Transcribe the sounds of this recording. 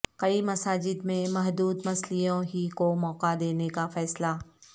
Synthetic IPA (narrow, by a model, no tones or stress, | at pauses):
kɐimɐsaːd͡ʒɪd̪mẽmɐɦd̪uːd̪mɐslijõɦikomɔːqad̪eːnekafɛːsla